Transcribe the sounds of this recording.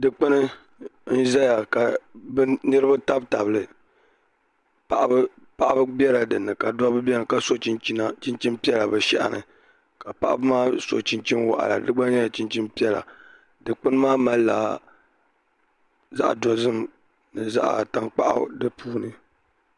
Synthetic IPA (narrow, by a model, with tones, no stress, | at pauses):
dɨ˨k͡pɨ˦nɨ˦ | n̩˦za˦ja˨ka˨bɨ˦nɨ˦ɾɨ˦ba˦ta˦bta˨bɨ˨lɨ˨ | pa˨ʔa˦b | pa˨ʔa˦bɨ˦bjɛ˦la˨dɨ˨nːɨ˨ka˨dɔ˦bɨ˦bɛ˦nɨ˨ka˦so˦t͡ʃi˦na˦t͡ʃi˦nt͡ʃi˦npi˦ɛ˦la˨bɨ˨ʃɛ̰˦ʔa̰˨nɨ̰˨ | ka˨pa̰˦ʔa̰˦bɨ˦maː˦so̰˨t͡ʃi˦nt͡ʃi˦nwa̰˨ʔa̰˨la̰˨dɨ˦ɡ͡ba˦ɲɛ˦ja˨t͡ʃi˦nt͡ʃi˦npi˦ɛ˦la̰˨ | dɨ˨k͡pɨ˦nɨ˦maː˦ma˦lla̰ː˨ | za̰˦ʔdɔ˨zɨ˦m | nɨ˨za̰˦ʔa̰˨ta˦ŋk͡pa˦ʔa̰˦dɨ˦puː˦nɨ˨